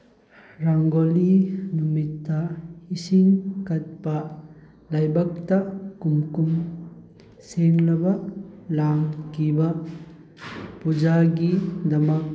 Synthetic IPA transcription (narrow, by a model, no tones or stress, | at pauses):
ɾaŋɡolinumitːɐhisiŋkɐt̚pɐ | lɐjbɐk̚tɐkumkum | seŋlɐbɐlaŋkibɐ | pud͡ʒaɡidɐmɐk̚